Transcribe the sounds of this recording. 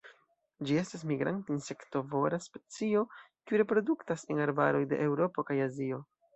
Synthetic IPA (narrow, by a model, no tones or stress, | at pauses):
d͡ʒie̞stas̬miɡɾa̰ntinse̞kto̞vo̞ɾaspe̞t͡sio̞kiuɾe̞pɾo̞duktasenaɾbaɾo̞jde̞̰ʔewɾo̞po̞kajazio̞